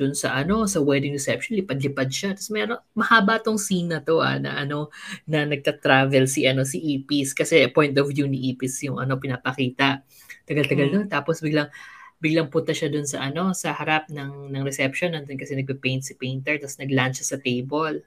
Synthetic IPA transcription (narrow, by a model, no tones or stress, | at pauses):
d̪̥ʊnsɐ̰ʔɐno̞sɐwɛd̪ɪŋɹɛsɛpʃonlɪpad̪lɪpad̪̚ʃat̪ɐsmɛɾoŋmɐhaːbat̪oŋsiːnɐt̪o̞ʔa̰nɐ̰ʔɐno̞nɐnɐɡ̚t̪ɐt̪ɾaːvɛlsiʔɐno̞siʔiːpiskɐsɛpo̞jnt̪ɔvjunɪʔiːpɪsjʊŋɐ̰no̞pɪnapɐkiːt̪ɐʔ | t̪ɐɡalt̪ɐɡalnont̪aːposbɪɡlaŋbɪɡlɐŋpʊnt̪ɐʃad̪ʊnsɐʔɐno̞sɐhɐɾap̚nɐŋnɐŋɾɛsɛpʃonːɐnd̪onkɐsɛnɐɡ̚pɛpɛjnt̪̚sipɛjnt̪ɛɹt̪asnɐɡlant͡ʃɐsɐt̪ejbol